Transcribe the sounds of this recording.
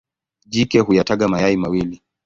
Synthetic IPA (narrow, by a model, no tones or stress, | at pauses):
ʄikɛhujataɠamajaimawili